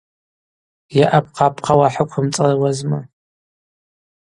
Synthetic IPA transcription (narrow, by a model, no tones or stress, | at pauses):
jɛʔɐpqɑːpqʰɐwaħəkʷʰʊmt͡sʼɐrɐwɐzmɐ